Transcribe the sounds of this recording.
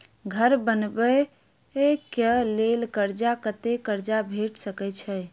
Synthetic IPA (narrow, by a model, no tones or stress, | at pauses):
ɡʱəɾbənbə | ekəlelkəɾd͡ʒakət̪ekəɾd͡ʒabʱeʈsəkɛt͡ʃʰɛj